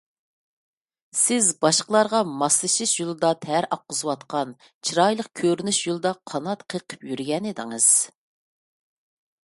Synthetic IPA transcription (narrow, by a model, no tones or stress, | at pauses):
sɪzbɑʃqəlˠɑɾʁɑmɑslˠɨʃiʃjolˠɨd̪ɑt̪ʰɛɾɑq̚ːəzɨwɑt̪qɑn | t͡ʃʰiɾɑjlˠəq̚kʲʰøɾnyʃjolˠɨd̪ɑqʰɑnɑt̪qʰəqʰə̥pjyɾɡʲɛnɪd̪ɪŋɨz̥